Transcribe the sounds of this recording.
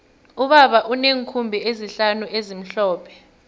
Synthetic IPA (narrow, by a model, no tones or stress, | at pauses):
uɓaɓaʔuneːŋkʰumbʱieziɬanuʔezim̩ɬɔːpʰɛ̥